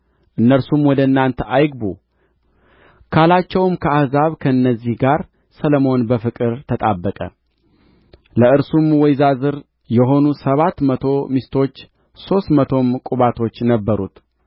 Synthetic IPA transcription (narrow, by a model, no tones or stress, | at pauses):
ʔɨnːəɾsumwɔd̪əɨnːant̪ʰəʔajɡbu | kʰalat͡ʃːɛwɨmkʰəahzaβkʰəɨnːəzːihɡaɾ | sələmo̞nbəfɨkʼɨɾt̪ʰət̪ʼabːəkʼə̰ | ləɨɾsumwɔjzazɨɾ | jɛɦo̞nusəβat̪ːmət̪ʰo̞mist̪ʰo̞t͡ʃː | so̞st̪mət̪ʰo̞mkʼuβat̪ʰo̞t͡ʃːnəbːəɾṵt̪